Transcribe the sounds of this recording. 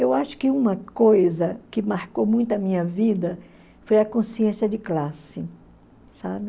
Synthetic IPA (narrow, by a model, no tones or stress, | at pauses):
ewaʃʊ̥kɪũmɐkojzɐkɪmaɾkowmũj̃t̪ʊɐmĩɲɐvid̪ɐ | fojɐkõsiẽsiɐd͡ʒɪklasɪ | sabɪ